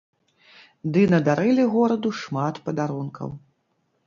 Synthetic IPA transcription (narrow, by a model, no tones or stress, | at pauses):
d̪ɨnɐd̪aɾɨlʲiɣɔɾɐd̪uʂmat̪pɐd̪aɾunkʰɐ̰w